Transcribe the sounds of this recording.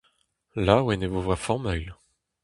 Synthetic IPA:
lawɛnevovwafɔ̃mœjl

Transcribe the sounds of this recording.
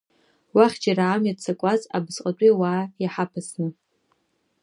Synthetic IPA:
waχʲd͡ʒaɾaʕamjat͡sʰakʷʼaza̰bzqʼat͡ʃʼiwaːjaħapʰɨsnɨ

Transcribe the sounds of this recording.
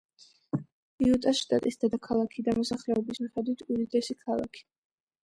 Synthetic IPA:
iut̪ʼasʃt̪ʼat̪ʼisd̪̥ad̪akʰalˠakʰid̪amɔsaχlɛɔbismiχɛd̪wit̪ʰud̪id̪ɛsikʰalˠa̰kʰi̥

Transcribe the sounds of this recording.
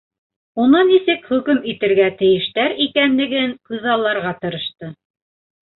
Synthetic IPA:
unɤnisɘkχɵ̆kɵmit̪ɘ̆ɾɡæt̪ɘ̆jɘ̆ʃt̪æɾikænlɘ̆ɡɘŋqɤ̆ðɑlˠːɑɾʁɑt̪ɤ̆ɾɤ̆ʃt̪ɤ

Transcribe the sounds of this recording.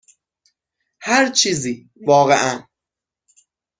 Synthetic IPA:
hæɾt͡ʃʰiːziː | vɒːɣeʔæn

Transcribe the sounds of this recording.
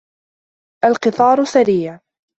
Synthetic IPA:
ʔalqɨt̪ˤɑːɾˤsaɾiːʕ

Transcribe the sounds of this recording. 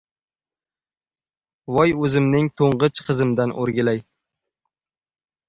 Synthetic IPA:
vɒjɵzɪmnɪŋt̪ʰoɴʁɨt͡ʃqʰɨzɪmd̪anʔo̰ɾɡʲɪlaj

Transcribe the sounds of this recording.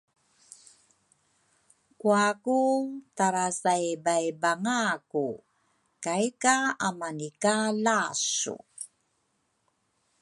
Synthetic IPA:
kuakutaɾasajbajbaŋaku | kajkaamanikalasṵ

